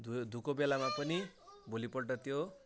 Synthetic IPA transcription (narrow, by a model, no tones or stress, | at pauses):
d̪ʱud̪ʱukobelamãpənibolipɔɽʈʌt̪jo